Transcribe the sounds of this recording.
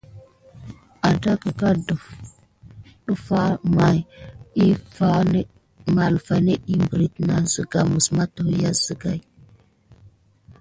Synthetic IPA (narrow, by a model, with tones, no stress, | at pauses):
a˨da˦ki˨ka˦du˨f | ɗu˦fa˦ma˨ji˦fa˦n˦ | ma˨lfa˨ne˦ʔi˦mbə˨ɾi˨tna˨zə˨ɡa˨mu˨sma˦to˨˦ja˦zə˨ɡa˦j